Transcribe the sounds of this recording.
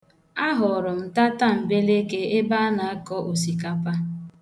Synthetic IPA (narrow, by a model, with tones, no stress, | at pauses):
a˦ɦʊ˨ɾʊ˨m̩˨ta˦ta˦m̩˨be˦le˦ke˦e˦ba˦na˨a˦kɔ˦ʔo˨si˨ka˨pa˦